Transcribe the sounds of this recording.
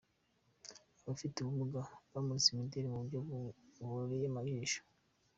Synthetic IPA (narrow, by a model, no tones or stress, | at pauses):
βafituβuβuɡaβamusimideɾimuβuɟoβuɾejamaβiːʃo̥